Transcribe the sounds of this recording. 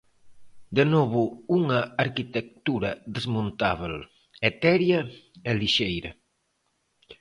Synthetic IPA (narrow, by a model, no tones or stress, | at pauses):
d̪enɔβ̞ʊuŋɐːɾkit̪ek̚t̪uɾɐðezmõnt̪aβel | et̪ɛɾjɐɛliʃejɾɐ